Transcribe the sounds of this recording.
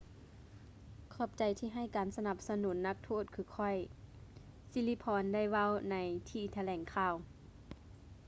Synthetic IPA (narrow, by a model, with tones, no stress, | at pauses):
kʰɔː˧˩p̚t͡ɕa˨jt̪ʰiː˧˨ɦa˧˩jkaː˨˩nsa˧na˧˩p̚sa˧nuː˨˦nːa˧˥k̚t̪ʰoː˧˥˩t̪̚kʰɯː˧˦kʰɔ˧˩j | si˧˥li˧˥˩pʰɔː˧nda˥˩˨jʋa˧˥˨wna˨˧˦jt̪ʰiː˧˩t̪ʰa˧lɛː˨˦ŋkʰaː˧˨w